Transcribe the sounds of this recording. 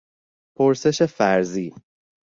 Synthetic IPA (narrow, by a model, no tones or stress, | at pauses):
pʰo̞ɾse̞ʃe̞fæɾziː